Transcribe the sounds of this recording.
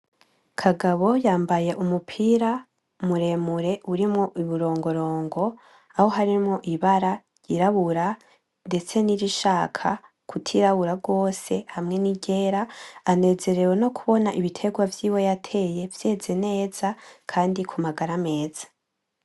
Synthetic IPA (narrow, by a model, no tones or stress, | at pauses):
kʰaɡaβo̞jaːmbaje̞ʔumupʰiːɾa | muɾe̞ːmuɾe̞uɾimŋoʔiβuɾo̞ːŋɡo̞ɾo̞ːŋɡo̞ | aho̞ɦaɾimŋoʔiβaɾa | jiɾaβuɾa | nde̞t͡se̞niɾiʃaːkʰa | kʰutʰiɾaβuɾaɡo̞ːse̞hamŋe̞niɟe̞ːɾaːne̞ːze̞ɾe̞ɾwe̞no̞kʰuβo̞naʔiβitʰe̞ɡwavjiwo̞jatʰe̞je̞vje̞ːze̞ne̞ːz̥akʰaːndikʰumaɡaɾame̞ːz̥ḁ